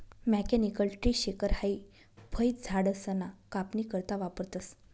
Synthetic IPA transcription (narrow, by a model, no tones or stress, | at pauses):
mɛkɛnikəlʈɾiːɕekəɾhai | bʱəjt̪̚d͡zʱaɽəsənakapnikəɾt̪aʋapəɾt̪əs